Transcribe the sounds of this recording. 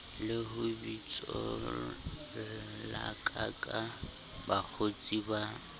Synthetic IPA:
lɪɦʊbit͡sʼɔ̰ | la̰kʼakʼa | bak͡xʰot͡sʼiba

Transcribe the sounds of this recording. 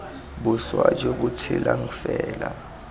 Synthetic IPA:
ɓuswad͡ʒʼok̬utʰilaŋ̩fɛːla

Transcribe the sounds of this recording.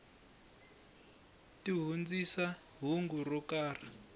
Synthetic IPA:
tiɦund͡zisa | ɦuŋɡurɔkaːra

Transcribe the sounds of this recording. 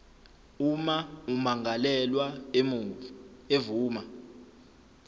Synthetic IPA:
umaumaŋalɛlwa | evuːma

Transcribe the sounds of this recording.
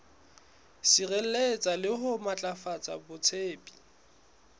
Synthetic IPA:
sirel̩let͡sʼalɪɦʊmat͡ɬʼafat͡sʼabʊt͡sʰeːpʼi̥

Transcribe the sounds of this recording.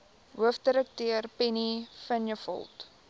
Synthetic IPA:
ɦuəfdəɾək̚tøərpɛnifənjəfɔ̰lˠt

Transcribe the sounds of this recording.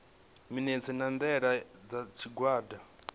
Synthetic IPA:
minɛnt͡sʰɛnand̪ɛɺad͡zat͡ʃʰiɡwaːda

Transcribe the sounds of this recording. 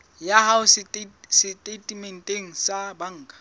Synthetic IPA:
jahaʊsɪsɪtʼetʼimɛn̩tʼeŋ̩sabaŋ̩ːkʼḁ

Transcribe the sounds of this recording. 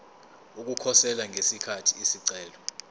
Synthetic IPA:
uk̬ukʰɔsɛlaŋʱesikʰatʰiisiǀɛːlɔ

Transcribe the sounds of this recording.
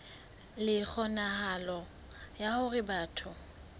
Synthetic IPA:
lɪk͡xʰɔnahalɔ | jahʊrɪbaːtʰʊ

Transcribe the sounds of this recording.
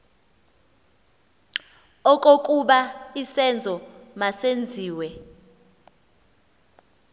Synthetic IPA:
ɔkʼok̬ʼuɓaisɛnd͡zʱɔmasend͡zʱiːwɛ

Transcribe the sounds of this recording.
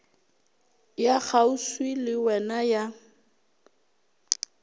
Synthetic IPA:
jaχauswilɪwɛnaja

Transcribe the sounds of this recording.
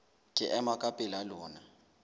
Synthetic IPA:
kʼɪ̰ʔɛmakʼapʼɪlalɔːna

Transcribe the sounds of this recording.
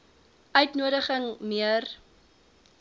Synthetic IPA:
œɥtnuəɾəχəŋmiər

